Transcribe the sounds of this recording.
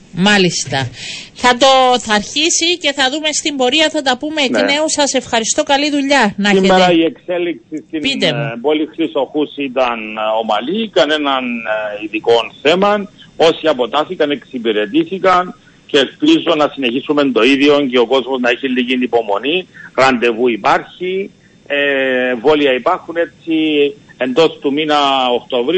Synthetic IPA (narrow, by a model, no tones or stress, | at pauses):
mɐlist̪ɐθɐt̪o̞θɐɾçisice̞θɐðume̞st̪imbo̞ɾiɐθɐt̪ɐpume̞ːne̞usɐse̞fxɐɾist̪o̞kɐliðuʎɐnɐsiemeɾɐie̞kse̞liksist̪iit̪ebolixɾiso̞xusit̪ɐno̞mɐ̰likɐne̞nɐniðiko̞nθe̞mɐno̞siɐpo̞t̪ɐθikɐne̞ksipiɾe̞t̪iθikɐn | ceːlpizonɐsine̞çisume̞nd̪o̞iðjo̞nceoko̞zmoznɐiçilːicinipo̞mo̞niɾɐnd̪e̞vuipaɾçi | evoliɐipɐɾxune̞t͡ssie̞nd̪o̞st̪uminɐokt̪ovɾi